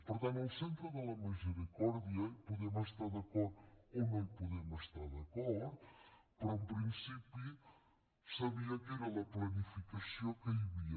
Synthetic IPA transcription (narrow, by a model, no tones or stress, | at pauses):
puɾt̪ɐ̃nt̪ːwsẽnt̪ɾuðɛlˠɐmizɨɾikɔɾðjɐpuðemɐʃt̪aɾðɐkɔɾuomẽpuðemɐʃt̪aɾðɐkɔɾ | pɾũmpɾĩsipju | sɐβiɐkiɾɛlɐplˠɐnifikɐsjɐ̃wkɐβiɐ